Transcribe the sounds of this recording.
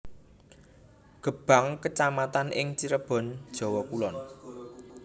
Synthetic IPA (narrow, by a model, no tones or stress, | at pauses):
ɡ̥ə̤b̥ä̤ŋkət͡ʃamat̪anʔɪŋt͡ʃiɾəb̥ɔ̤nd̥ʒ̥ɔ̤wɔkulɔn